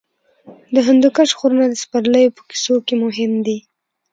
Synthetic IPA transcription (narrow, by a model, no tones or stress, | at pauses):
d̪əɦand̪ukaʃxoɾənad̪əspaɾləjopə̥ki̥sokemʊɦɪmd̪i